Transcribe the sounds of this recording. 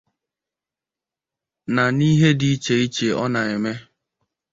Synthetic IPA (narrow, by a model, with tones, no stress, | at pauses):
na˨ni˦ɦe˦di˨i˦t͡ʃe˨i˦t͡ʃe˨ɔ˦na˨e˨me˦